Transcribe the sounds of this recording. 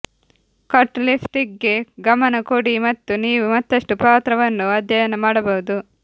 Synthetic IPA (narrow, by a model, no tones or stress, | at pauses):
kɐʈːlipʈikːe̞ɡɐmɐnɐkoːɽimɐt̪ːuniːʋumɐt̪ːɐʂʈupaːt̪ɾɐʋɐnːuɐd̪ʱjɐjɐnɐmaːɽɐbɐɦud̪u